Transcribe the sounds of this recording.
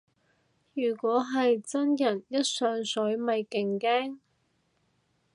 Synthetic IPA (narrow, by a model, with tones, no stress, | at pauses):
jyː˨˩kʷɔː˨˥ɦɐ˨jt͡sɐ˥njɐ˨˩njɐ˥t̚sœː˨˩ŋsɵ˨˥jmɐ˨jkɪ˨ŋkɛː˥ŋ